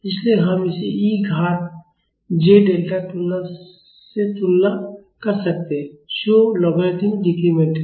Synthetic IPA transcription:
ɪslieɦɐmɪseiːɡʱaːt̪̚ | d͡ʒeɖeːlʈatʊlna | set͡ʃʊlna | kɐɾsɐk̚t̪eɦɛ̃ʃoːlɔɡet̪ʰɪ̃ŋdikimeʈ

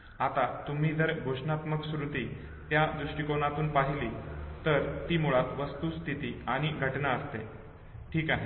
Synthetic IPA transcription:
at̪at̪um̤iːd͡zəɾbʱoʂnat̪məksɾut̪i | t̪jad̪ɾuʂʈikonat̪uːnpaɦilit̪əɾt̪iːmuɭat̪ʋəst̪uːst̪ʰit̪iaɽ̃iɡʱəʈnaəst̪e | ʈʰiːkaɦe

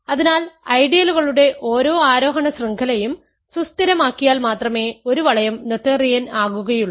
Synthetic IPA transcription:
ɐðinaːlɐjɖijɐluɣɐɭuɽe̞ʔo̞ːɾo̞ːaːɾo̞ːɦɐɳɐsriŋɡʰɐlɐjum | sust̪iɾɐmaːkːijaːlmaːt̪rɐme̞ːo̞ɾuʋɐɭɐjɐmnot̪ːɐrijɐnaːɣuɣɐjuɭːɐ

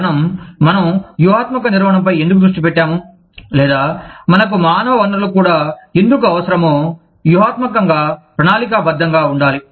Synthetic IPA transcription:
nɐmːɐnɐmjuɦaːt̪mɐkɐniɾʋɐɦɐɳɐmpɐjend̪ukud̪ɾuʂʈipɛʈːaːmu | lɛːd̪aːmɐnɐk̬umaːnɐʋɐʋɐnɐlɐkuːɽaːend̪ukuɐʋɐsɐɾɐmoː | juɦaːt̪mɐkɐŋɡaːpɾɐɳaːlik̬abɐd̪ʱːɐŋɡaːuɳɖaːli

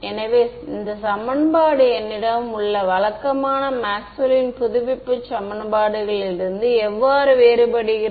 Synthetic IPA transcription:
ɛnɐʋeː | ɪnd̪ɐsɐmɐnbaːɽɯɛnːɪɽɐmʊɭːɐʋɐɭɐkːɐmaːnɐmaːksʊlinpʊðʊʋɪpːɯt͡ʃɐmɐnbaːɽɯɣɐɭɪɾɯnd̪ɯɛʋːaːɾɯʋeːɾɯbɐɽɪɣɪ

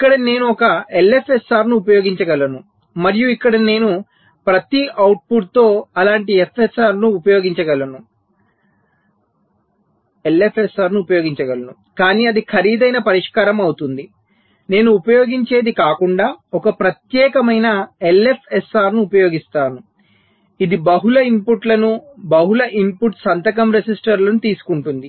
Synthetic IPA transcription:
ikːɐɽɐne̞ːnuɔkɐele̞pʰesaːɾnuːpɐjo̞ːɡiɲt͡ʃɐɡɐlɐnu | mɐɾijuikːɐɽɐne̞ːnu | pɾɐt̪iɐwʈ̚puʈ̚t̪o̞ːɐlaːɳʈiefʰesaːɾnuːpɐjo̞ːɡiɲt͡ʃɐɡɐlːɐnu | elepʰesaːɾnuːpɐjo̞ːɡiɲt͡ʃɐɡɐlɐnu | kaːniːɐd̪ikʰɐɾiːd̪ɐjnɐpɐɾiʂkaːɾɐmɐwut̪und̪i | ne̞ːnuːpɐjo̞ːɡiɲt͡ʃe̞ːd̪ikaːkuɳɖaːɔkɐpɾɐt̪jɛːkɐmɐjnɐelepʰesaːɾnuːpɐjoːɡist̪aːnu | id̪ibɐɦulɐimpuʈlɐnubɐɦulɐʔimpuʈsɐnt̪ɐkɐmɾesisʈɐɾlɐnut̪iːsu̥kuɳʈund̪i

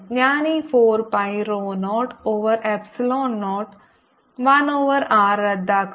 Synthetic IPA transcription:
jaːnifʰoːɾpaiɾoːnɔːʈoːʋəɾɛːpsɪlɔːnːɔːʈ | ʋɐnoːʋəɾaːɾəd̪ak

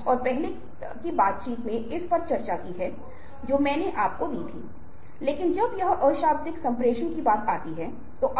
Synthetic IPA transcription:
ɔːɾpɛɦne | kibaːt̪̚t͡ʃiːt̪mẽɪspɐɾt͡ʃɐɾt͡ʃakiɦɛ | d͡ʒoːmɛ̃ːneʔaːp̚kod̪iːt̪ʰiː | leːkɪnd͡ʒɐbjɐɦʔəːʃaːbt̪ɪksɐ̃mpɾeːʃõkibaːt̪aːt̪iɦɛ | t̪oʔɐ

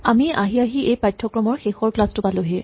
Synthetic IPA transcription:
amiʔaɦiaɦiʔejpajtʰːɔkɹɔmɔɹxexɔɹklastʊpalʊɦe

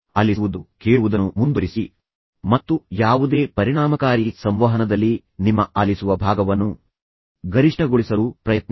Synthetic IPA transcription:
ɐliʋud̪ukeːɭuʋud̪ɐnːumund̪uɾisi | mɐt̪ːujaːʋud̪e̞ːpɐɾiɽaːmɐkaːɾisɐmʋɐɦɐnɐd̪ɐlːi | nimːɐɐlisuʋɐbʱaːɡɐʋɐnːu | ɡɐɾiʂʈɐɡoɭisɐluːpɾɐjɐt̪̚n

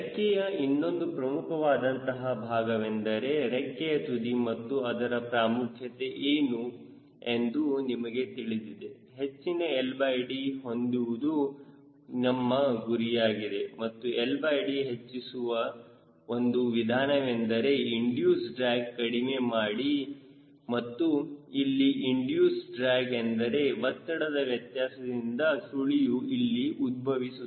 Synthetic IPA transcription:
ɾekːɛjɐinːo̞nd̪upɾɐmukʰɐʋaːd̪ɐnt̪ɐɦɐbʱaːɡɐʋend̪ɐɾe̞ɾekːɛjɐt̪ud̪imɐt̪ːuɐd̪ɐɾɐpɾaːmukʰjɐt̪e̞ʔeːnu | end̪unimɐɡe̞t̪iɭid̪id̪e̞ | ɦet͡ʃːineelbaːjɖiɦo̞nd̪uʋud̪u | nɐmːɐɡuɾijaːɡid̪e̞mɐt̪ːuelbaːjɽiɦe̞t͡ʃːisuʋɐ | ond̪uʋid̪ʱaːnɐʋend̪ɐɾe̞iɳɖjuːsɖɾaːɡkɐɽime̞maːɽi | mɐt̪ːuilːiʔiɳɖjuːsɖɾaːɡend̪ɐɾe̞bɐt̪ːɐɽɐd̪ɐʋjɐt̪jaːsɐd̪ind̪ɐsuɭijuilːiʔud̪̚bʱɐʋisu

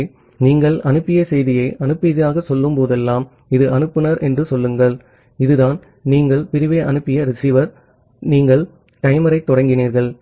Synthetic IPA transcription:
niːŋɡɐɭɐnɯpːɪjɐsɛjðɪjɐɪʔɐnɯpːɪðɪjaːɣɐsɔlːɯmpoːðɛlːaːm | ɪðɯʔɐnɯpːɯnɐɾʔɛndrɯsɔlːɯŋɡɐɭ | ɪðɯðaːn | niːŋɡɐɭpɪɾɪʋeːʔɐnɯpːɪjɐɾɪsiːʋɐɾ | niːŋɡɐɭ | ʈ̪ɐjmɐɾɐɪt̪ːɔɽɐŋɡɪniːɾɣɐɭ

